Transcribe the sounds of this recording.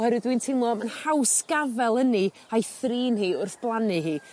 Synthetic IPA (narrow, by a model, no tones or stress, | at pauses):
hɛɾwɨdwintʰɪmlˠɔmanhawsɡavɛlˠəni | ajθriːnhiːʊrθb̥lˠanɨɦiː